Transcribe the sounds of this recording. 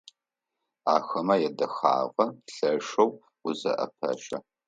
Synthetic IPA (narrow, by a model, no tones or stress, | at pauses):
aːxɐmɐjɛdɐxa̰ːʁɐɬɐʂɐw | ʊzɐ̰ʔɐ̰pʰɐ̰ʃɐ̰